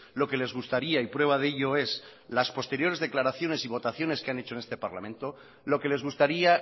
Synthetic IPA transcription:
lo̞ke̞le̞zɣust̪aɾiaipɾwe̞β̞aðeʎo̞e̞slaspo̞st̪e̞ɾjo̞ɾe̞zðe̞klaɾaθjo̞ne̞siβo̞t̪aθjo̞ne̞skeane̞t͡ʃone̞st̪e̞paɾla̰mẽnt̪o̞ | lo̞ke̞le̞zɣ̞ust̪aɾia

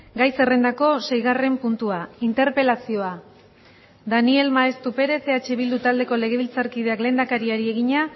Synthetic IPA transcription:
ɡajse̞re̞nd̪ako̞se̞jɣ̞are̞mpunt̪uaint̪e̞ɾpe̞lasio̞a | d̪anie̞lmaest̪upe̞ɾe̞seat͡ʃe̞βild̪ut̪ald̪e̞ko̞le̞ɣ̞e̞βilt͡saɾkið̞eakle̞ːnd̪akaɾiaɾie̞ɣ̞iɲa

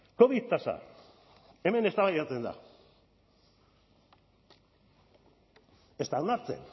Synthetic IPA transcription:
ko̞βiðt̪asa̰ | e̞me̞ne̞st̪aβajat͡se̞nd̪a̰ | e̞st̪annaɾt͡se̞̰n

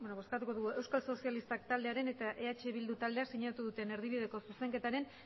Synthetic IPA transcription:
benoβo̞skat̪uko̞ðuɣue̞wskalso̞sialist̪akt̪ald̪eaɾe̞ne̞t̪aʔe̞at͡ʃe̞βild̪ut̪ald̪e̞asiɲat̪uðut̪e̞ne̞ɾð̞iβið̞e̞ko̞suse̞ŋke̞t̪aɾe̞n

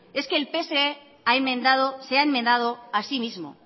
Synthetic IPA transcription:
e̞ske̞ːlpe̞se̞e | aemẽnd̪aðoseaemːend̪að̞o̞asimizmo̞̰

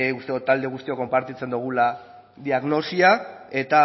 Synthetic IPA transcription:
ust̪eot̪ald̪e̞ɣ̞ust̪ioko̞mpaɾt̪it͡se̞nd̪uɣ̞ula | ðiaɣno̞siae̞t̪a

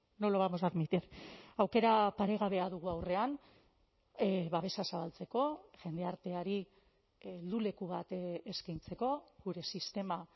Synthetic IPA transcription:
noloβamozaɾmit̪iɾawke̞ɾapaɾe̞ɣ̞aβe̞aðuɣ̞uawre̞an | βaβe̞sasaβalt͡se̞ko̞ʝe̞nd̪e̞aɾt̪e̞aɾi | ld̪ule̞kuβ̞at̪eskajnt͡se̞ko̞ɣuɾe̞sist̪e̞ma

